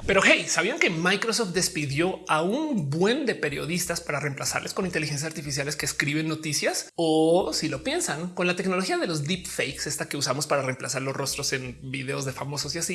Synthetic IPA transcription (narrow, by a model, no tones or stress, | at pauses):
pe̞ɾo̞xejsaβiaŋke̞majkɾosoft̪̚d̪e̞spiðjo̞aunbwe̞nd̪e̞pe̞ɾjo̞ð̞ist̪aspaɾare̞mplasa̰ɾlʔesko̞nint̪elixens̬asaɾt̪ifis̬jale̞ske̞ːskɾiβ̞e̞nːo̞t̪isjasosilo̞pje̞nsaŋko̞nlat̪e̞kno̞lo̞xiað̞e̞lo̞zd̪ipfejkse̞st̪ake̞usamo̞spaɾare̞mplasaɾlo̞sro̞st̪ɾo̞se̞nbiðe̞o̞zðe̞famo̞so̞sjasi